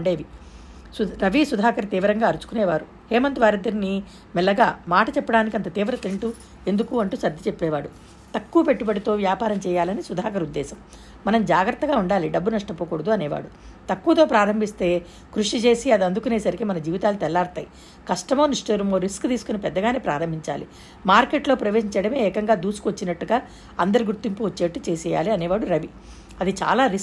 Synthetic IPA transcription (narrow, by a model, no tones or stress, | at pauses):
ɳɖe̞ːʋi | suɾɐʋisud̪ʱaːkɐɾt̪iːʋɐɾɐŋɡaːɐɾut͡ʃu̥kunɛːʋaːɾu | hɛːmɐnt̪ʋaːɾɐd̪ɐɾni | mɛlːɐɡaːmaːʈɐt͡ʃɛpːɐɽaːnikiɐnt̪ɐt̪iːʋɐɾɐt̪iɳʈu | end̪ukuɐɳʈuːsɐd̪ʱːit͡ʃepːɛːʋaːɽu | t̪ɐkːuʋɐpe̞ʈːubɐɽit̪o̞ːʋjaːpaːɾɐmt͡ʃɛːjaːlɐnisud̪ʱaːkɐɾud̪ːɛːsɐm | mɐnɐmd͡ʒaːɡɾɐt̪ːɐɡaːuɳɖaːliɖɐbːunɐʂʈɐpoːkuːɽɐd̪uɐnɛːʋa̰ːɽut̪ɐkːuʋɐt̪o̞ːpɾaːɾɐmbʱist̪e̞ː | kɾuʂit͡ʃe̞ːsiɐd̪iɐnd̪ukune̞ːsɐɾikimɐnɐd͡ʒiːʋit̪aːlut̪ɛlːaːɾt̪aːji | kɐʂʈɐmoːnisʈeːɾumoːɾiskt̪iːsu̥kunipɛd̪ːɐɡaːneːpɾaːɾɐmbʱiɲt͡ʃa̰ːlḭ | maːɾke̞ːʈlo̞ːpɾɐʋe̞ːɦiɲt͡ʃɛjɽɐme̞ːɛːkɐŋɡaːd̪uːsu̥kʋot͡ʃːinɐʈːuɡaː | ɐnd̪ɐɾiɡuɾt̪ːimpuʋot͡ʃːeːʈːut͡ʃeːsɛːja̰ːliɐnɛːʋaːɽuɾɐʋi | ɐd̪it͡ʃa̰ːlaːɾis